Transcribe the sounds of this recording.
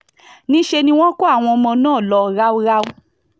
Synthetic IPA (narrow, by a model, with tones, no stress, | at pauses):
nĩ˨˦ʃe˧nĩ˧w̃ɔ̃˦ko˦a˦˨w̃ɔ̃˧ɔ˧mɔ̃˧nãː˦˨lɔ˧ɾa˦o˦ɾa˦